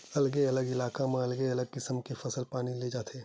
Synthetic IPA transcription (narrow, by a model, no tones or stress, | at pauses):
ɐlɡeɐləɡɪlaːkamẽɐlɡeɐləɡ̚kɪsəmkefɐsəlpaːniled͡ʒaːt̪ʰeː